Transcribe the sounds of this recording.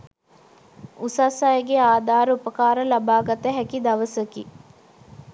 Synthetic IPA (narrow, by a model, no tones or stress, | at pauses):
usaːsajəɡeaːd̪aːɾəupɐkaːɾəlɐbaːɡɐt̪əɦɛkid̪ɐʋəsəki